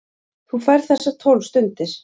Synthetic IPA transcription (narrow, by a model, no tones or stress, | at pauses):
θufajɾθɛssːḁt̪ʰowlst̪ʏnt̪ɪɾ̥